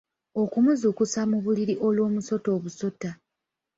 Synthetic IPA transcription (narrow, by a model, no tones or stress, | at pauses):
o̞kumuzukusamuβuliɾiʔo̞lwo̞ːmuso̞to̞ːβuso̞tːa